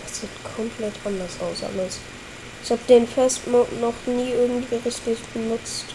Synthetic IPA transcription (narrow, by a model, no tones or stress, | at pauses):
d̥asz̥iːtkʰɔmpʰl̥ɛtʰʔandɐsʔa̰ʊsa̰mas | ɪçhaːbədeːnfɛstmɔknɔχniːʔɪɐɡŋ̩tv̥iːʁɪçtɪçb̥ənʊt͡st